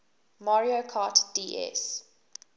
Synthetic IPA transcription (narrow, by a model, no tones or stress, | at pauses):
maɹiokʰaːtd̥iːʔɛ̰s